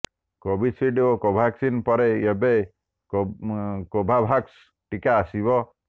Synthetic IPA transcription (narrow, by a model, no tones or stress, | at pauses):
kobisiɖokobʱaksinpɔɾeebe | kobʱabʱaks | ʈikaːsibɔ